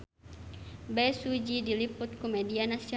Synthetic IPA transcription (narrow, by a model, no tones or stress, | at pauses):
bɛsud͡ʒidilipʊt̪̚kumɛdianasiɔ